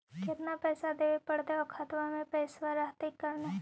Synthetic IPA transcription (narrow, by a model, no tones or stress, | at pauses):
kɪt̪napɛːsad̪eːʋepɐɽd̪eɔkʰat̪ʋamẽpɛːsʋaɾaɦt̪ɪkːɐɾna